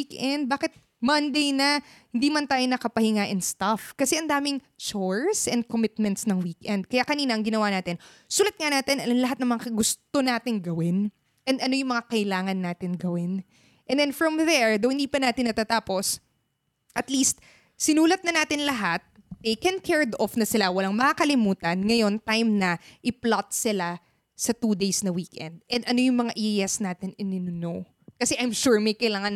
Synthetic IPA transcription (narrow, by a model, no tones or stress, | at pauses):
ikʔɛnd̪̚baːkɪt̪̚ | mɐnd̪ejnɐhɪnd̪iːmɐnt̪aːjonɐkɐpɐhɪŋaʔɪnst̪ɐfkɐsɛʔɐnd̪aːmɪŋ | t͡ʃɔɹsʔɛn̚komɪt̪̚mɛnt̪snɐŋwiːkʔɛnd̪̚kɐjakɐniːnɐʔɐŋɡɪnɐwaːnaːt̪ɪnsuːlɐt̪̚ŋɐnaːt̪ɪnɐɐnlɐɦat̪̚nɐŋmɐŋakɐɡʊst̪onaːt̪ɪŋɡɐwɪn | ʔɛnd̪ɐno̞jʊŋmɐŋakɐʔɪlaːŋɐnːaːt̪ɪnɡɐwɪn | ʔɛ̃nd̪ɛnfɹɐmðɛɹd̪ɐwhɪnd̪iːpɐnaːt̪ɪnːɐt̪at̪aːpo̞s | ʔɐt̪list̪̚ | sɪnuːlɐt̪̚nɐnaːt̪ɪnlɐɦat̪̚ː | ejkɛnkʰɛɹd̪ofnɐsɪlawɐlaŋmɐkakɐlɪmuːt̪ɐnŋɐjo̞nt̪ajmnɐʔɪplat̪̚sɪla | sɐt̪uːd̪ejsnɐwiːkʔɛ̰nd̪̚ʔɛnd̪ʔɐno̞jʊŋmɐŋaʔiʔjɛsnaːt̪ɪnɪnɪnʊno | kɐsɛʔɐjmʃuɹmɐjkɐjlaːŋɐn